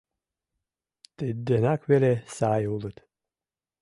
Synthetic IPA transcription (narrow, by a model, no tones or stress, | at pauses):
t̪ed̪ːenakvelʲesaːjulˠɨt̪